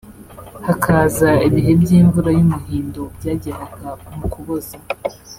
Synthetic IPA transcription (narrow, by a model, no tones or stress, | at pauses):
hakʰaːzaiβiɦe̞bɟiːɱvuɾajumuhiːndobɟaːɟeɾaɡamukuβoza